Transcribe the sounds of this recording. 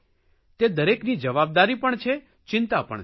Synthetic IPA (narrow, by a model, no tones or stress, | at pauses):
t̪ed̪əɾeknid͡ʒəʋab̚d̪aɾipəɳt͡ʃʰe | t͡ʃɪnt̪apə̰ɳ